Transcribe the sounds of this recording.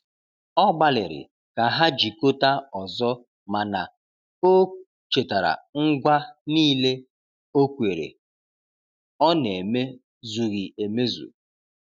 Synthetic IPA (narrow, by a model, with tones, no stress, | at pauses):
ɔ˦ɡ͡ba˨lɪ̰˨ɾɪ̰˨ | ka˨ɦa˦d͡ʒi˨ko˦ta˦ɔ˨zɔ˦ | ma˨na˨ | o˦ | t͡ʃe˨ta˨ɾa̰˨ŋ̩˦ɡʷa˦niː˦le˦ | o˦kʷe˨ɾḛ˨ | ɔ˦ne˨me˦ | zu˨ɣi˨e˨me˦zṵ˨